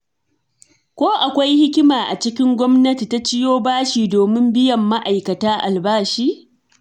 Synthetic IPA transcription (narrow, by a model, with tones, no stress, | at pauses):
kʷoː˦ʔa˨kʷa˦jhɪ˦kʲɪ˦maː˨ʔa˨t͡ʃɪ˦kʲɪ˦ŋɡʷɔ˦mnɐ˦ti˨ta˦t͡ʃɪ˦joː˦baː˦ʃiː˨doː˨mɪ˦mbɪ˦jɐ˨mːa˦ʔa˨jkɐ˨taː˦ʔa̰˨lbaː˦ʃiː˦